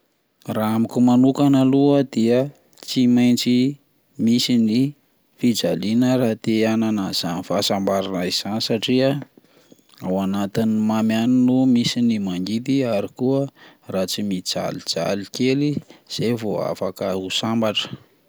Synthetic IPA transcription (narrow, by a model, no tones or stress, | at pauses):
raamikʲumanukanəluəd̪iə | t͡simajnt͡si | misini | fid͡zalinəɾat̪eananaz̥anifasambaɾanaiz̥anisaʈ͡ʂiə | awanat̪inimamjaninumisinimaŋɡit̪iaɾikuəraːt͡simid͡za̰lid͡z̥a̰likeliz̥evoa̰fakəusambaʈ͡ʂə̥